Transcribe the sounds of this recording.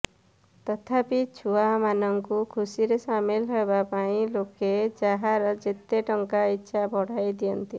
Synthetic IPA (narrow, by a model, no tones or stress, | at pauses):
t̪ɔt̪ʰapit͡ʃʰuamanɔŋkukʰusiɾesamilɦebapaĩloked͡ʒaɦaɾɔd͡ʒet̪eʈɔŋkaitːʃʰabʱɔɽ̤ajd̪iɔnt̪i